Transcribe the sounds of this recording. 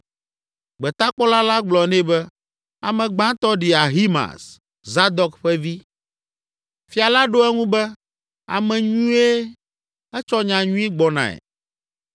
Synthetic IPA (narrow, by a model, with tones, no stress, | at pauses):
ɡ͡bɛ˨t̪a˦k͡pɔ˦la˦la˦ɡ͡blɔ˨nɛ̃˦bɛ˦ | a˨mɛ̃˨ɡ͡bã˦t̪ɔ˦ɖi˨a˨ɦi˦mã̰˨s | za˦d̪ɔ˦kɸɛ˦vi˦ | fi˦a˨la˦ɖo˦ɛ˦ŋũ˦bɛ˦ | a̰˨mɛ̃˨ɲũ˦e˦ | ɛ˦t͡ʃɔ˦ɲã˨ɲũ˦i˦ɡ͡bɔ˨nã̰˨ɛ̰˨